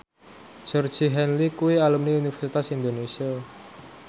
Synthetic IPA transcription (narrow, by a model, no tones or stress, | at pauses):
d͡ʒ̥ɔr̥d͡ʒiɦɛnlikuwialumniunifɛrsit̪asind̪onesia